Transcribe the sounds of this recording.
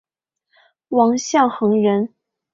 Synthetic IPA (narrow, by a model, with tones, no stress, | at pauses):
wɑ˧˥ŋɕjɑ˥˩ŋxɤ˧˥ŋɻə˧˥n